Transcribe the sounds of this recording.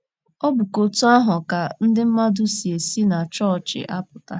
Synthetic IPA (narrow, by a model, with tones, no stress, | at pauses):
ɔ˦bʊ˨ko˨tu˦a˦ɦʊ˨ka˨n̩˦dɪ˦m̩˦ma˦dʊ˦si˨e˨si˦na˨t͡ʃɔ˦˨t͡ʃɪ̰˨ʔa˦pʊ˨ta˦